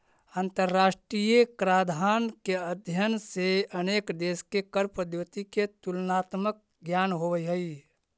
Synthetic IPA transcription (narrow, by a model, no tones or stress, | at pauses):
ənt̪əɾːaːsʈɾijekɾad̪ʱaːnkeəd̪ʱjənseəneːkd̪eːskekəɾpəd̪jət̪iket̪ulnaːt̪mək̚ | ɡjanɦoʋəiɦəi